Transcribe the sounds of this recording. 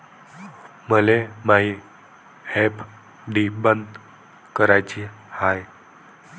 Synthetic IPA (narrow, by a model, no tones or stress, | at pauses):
məlemaɦi | hep | ɖibənd̪ | kəɾajt͡ɕiː | haj